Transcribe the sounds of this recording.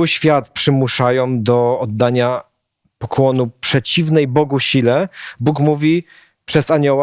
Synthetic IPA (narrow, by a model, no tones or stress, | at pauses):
ɕfʲjat̪pʂɘmuʂajɔ̃w̃d̪ɔɔd̪ːaɲa | pɔkwɔnupʂɛt͡ɕivnɛjbɔɡuɕilɛbukmuvʲi | pʂɛzaɲɔwa